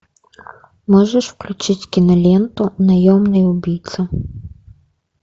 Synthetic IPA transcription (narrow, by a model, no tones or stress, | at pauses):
mɔʒɛʃwklʲʊt͡ʃɪtʲkʲinɐlʲɛnt̪ʊnɐjɔmnɪjʊbʲijt̪sɐ